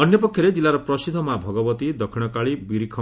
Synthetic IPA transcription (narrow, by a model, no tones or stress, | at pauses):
ɔnjɔpɔkʰjɔɾed͡ʒilːaɾɔpɾɔsid̪ʱːɔmabʱɔɡɔbɔt̪id̪ɔkʰiɽ̃ɔkaɭibiɾikʰɔ